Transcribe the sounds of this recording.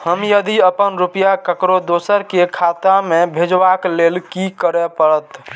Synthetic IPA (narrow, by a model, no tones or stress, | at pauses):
həmjəd̪iəpənɾupjakəkɾod̪osəɾkekʰat̪amebʱed͡ʒbaklelkikəɾɛpəɾət̪